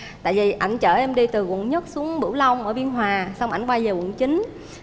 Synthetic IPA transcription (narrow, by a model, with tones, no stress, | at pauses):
t̪a̰ː˧˨vi˨˩ʔa˧˩jŋ̟t͡ɕəː˧˩ʔɛ˧mɗi˧t̪ɨ˨˩kə̰˧˨nɲə˦˥t̚su˨˦əŋɓɨ̰˧˩wla˧wŋ͡mʔəː˧˩ɓi˧ənɦwaː˨˩sa˧wŋ͡mʔa˧˩jŋkwaː˧zəː˨˩wə̰˧˨nt͡ɕï˨˦ŋ̟